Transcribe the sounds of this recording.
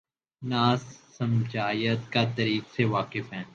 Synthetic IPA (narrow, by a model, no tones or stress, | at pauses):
naːsːəmd͡ʒaːjət̪kat̪əɾiːkseʋaːkɪfɦɛ̃ː